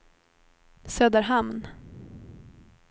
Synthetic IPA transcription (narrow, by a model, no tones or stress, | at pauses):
søːd̪əɾɦamn